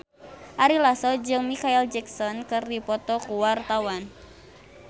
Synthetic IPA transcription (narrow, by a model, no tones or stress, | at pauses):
ʔaɾilasɔd͡ʒɨŋmikaild͡ʒɛksɔnkɨrdipɔt̪ɔkuwart̪awan